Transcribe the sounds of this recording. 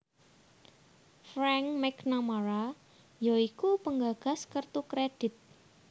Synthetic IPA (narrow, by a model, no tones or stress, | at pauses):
fɾɛŋmɛknamaɾa | jɔikupəŋɡaɡ̥a̤skərt̪ukɾed̥ɪ̤t̪̚